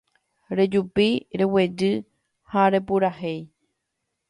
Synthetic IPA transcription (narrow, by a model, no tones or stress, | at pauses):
ɾed͡ʒupiɾe̞we̞d͡ʒɨ | haɾe̞puɾahe̞j